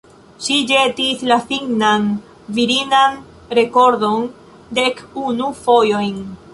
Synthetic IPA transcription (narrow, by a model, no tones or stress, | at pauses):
ʃid͡ʒetislafiŋnan | viɾinan | ɾe̞ko̞ɾdo̞n | de̞kunufo̞jo̞jn